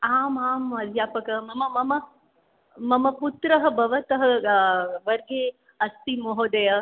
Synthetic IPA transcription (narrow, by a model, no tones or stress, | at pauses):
aːmaːmɐd̪ʱjaːpɐkɐmɐmɐmɐmɐ | mɐmɐput̪ɾɐɦɐ̆bɐʋɐt̪ɐɦɐ̆ | ʋɐɾɡe | ɐst̪imoɦoːd̪ɐjɐ